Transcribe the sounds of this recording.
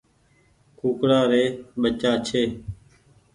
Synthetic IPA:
kuːkɽaːɾeːɓət͡ʃaːt͡ʃʰeː

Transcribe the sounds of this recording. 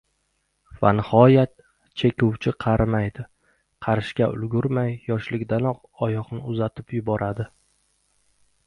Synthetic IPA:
fanɪhɒjat̪ | t͡ʃʰekʲʊwt͡ʃʰɪqʰɑɾmajd̪ɪ | qʰɑɾɪʃkʲaʊ̰lɡʊɾmajːɒʃlɪkʲd̪anɒq | ɒjɒqnɪʊzat̪ʰɪpjʊbɒɾʔad̪ɪ

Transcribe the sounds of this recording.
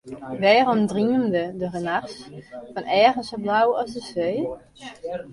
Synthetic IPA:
ʋɛːrɔmdriəndədərənaχsfɔnɛːɣənsoblawɔsdəseː

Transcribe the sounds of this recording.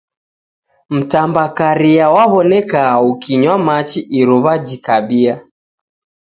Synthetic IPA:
m̩tambakaɾiawaβɔnɛkaukiɲwamat͡ʃiʔiɾuβad͡ʒikaɓia

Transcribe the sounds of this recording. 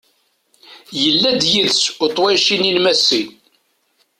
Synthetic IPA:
jəlːæd̪jiðsʊt̪ˤwæjʃininmæsːin

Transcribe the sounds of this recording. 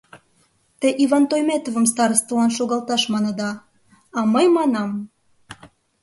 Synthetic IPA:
t̪eʔiβɑnt̪ojmet̪ovə̆mst̪ɑɾəst̪əlɑnʃoɣɑlt̪ɑʃmɑnə̆d̪ɑ | ɑməjmɑnɑm

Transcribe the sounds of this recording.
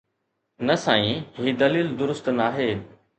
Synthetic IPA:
nɐsaːĩɦiːd̪ɐliːld̪ʊɾʊst̪naːɦeː

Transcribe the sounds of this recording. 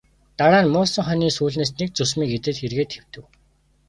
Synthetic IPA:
t̪aɾaːnmʊːsə̆ŋχœniːsuːɮneːsnek̚t͡sʊs̬miːket̪ɘ̆t̪xerɣeːt̪xew̥t̪ɘ̆w

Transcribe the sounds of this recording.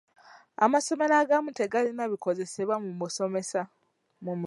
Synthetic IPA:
a̰maso̞me̞ɾaɡamute̞ɡalinaβiko̞ze̞se̞βwamumuso̞me̞sa | mumu

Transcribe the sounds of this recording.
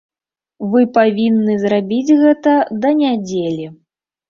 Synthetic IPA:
vɨpavʲinːɨzrabʲid͡zʲɣɛt̪ɐd̪ɐnʲad͡zʲelʲi

